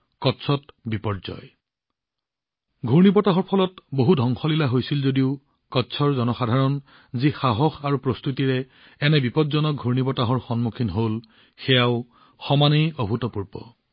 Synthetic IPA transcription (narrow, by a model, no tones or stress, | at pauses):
kɔtsʰɔtbipɔdzɔ̰j | ɡʱuɹnibɔtaɦɔɹpʰɔlɔtboɦudʱɔŋxɔlilaɦojsilzodiʊ | kɔtsʰɔɹzɔnɔxadʱaɹɔn | zixaɦɔxaɹupɹost̪utiɹɛ | ɛnɛbipɔdzɔnɔɡʱuɹnibɔtaɦɔɹxɔnmukʰinɦol | xɛjaʊ | xɔmanejobʱutɔpuɹbɔ̰